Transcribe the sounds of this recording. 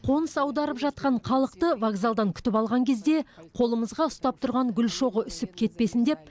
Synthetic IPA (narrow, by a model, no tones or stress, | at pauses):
qʰo̞nəsɑwd̪ɑɾəpʒɑt̪̚qɑɴqʰɑlˠəqt̪əvaɡzald̪ɑŋkʲʰʏ̥t̪ɪpɑlˠʁɑŋkʲʰez̪d̪e̞qʰo̞lˠəməzʁɑʊst̪ɑp̚t̪ʰʊɾʁɑŋɡʲʏlʃo̞ʁəʔʏsɪpkʲʰe̞t̪̚pe̞sɪnd̪e̞p̚